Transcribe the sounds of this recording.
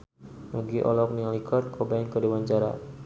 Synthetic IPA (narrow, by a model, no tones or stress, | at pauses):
nuɡiʔɔ̰lɔk̚nialikʰɔrt̪̚kʰɔbankədewaɲt͡ʃaɾa̰